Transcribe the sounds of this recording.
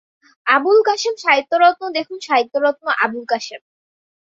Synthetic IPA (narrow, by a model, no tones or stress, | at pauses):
abulkaʃemʃaɦit̪ːoɾɔt̪mod̪ekʰunʃaɦit̪ːoɾɔt̪̚moʔabulkaʃem